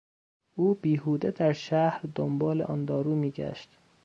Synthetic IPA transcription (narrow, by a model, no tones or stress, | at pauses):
ʔuːbiːhuːd̪ed̪æɾʃæhɾd̪ombɒːlḛʔɒnd̪ɒːɾuːmiːɟæ̰ʃt̪